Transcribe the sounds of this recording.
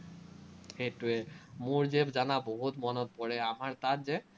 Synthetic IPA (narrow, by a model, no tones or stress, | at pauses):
ejtuemoɹd͡ʑebzanaboɦut̪mɔnɔt̪̚pɔɹɛamaɹt̪at̪ze